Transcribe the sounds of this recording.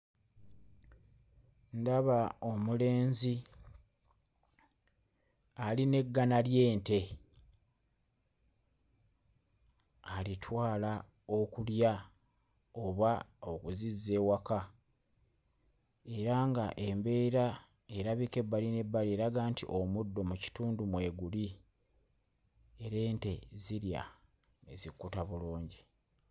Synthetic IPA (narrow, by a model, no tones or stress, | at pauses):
ndaβao̞mule̞ːnzi | aline̞ɡːanalje̞ːnte̞ | alitʰwaːla | o̞kulja | oβaokuzize̞ːwaka | e̞ɾaŋɡaʔembe̞ːɾa | e̞ɾaβike̞bːaline̞bːalie̞ɾaɡaːntiʔo̞mudːo̞muci̥tuːndumwe̞ːɡuli | e̞ɾe̞ːnte̞ziɾja̰ | ḛzikːutaβuluːɲɟi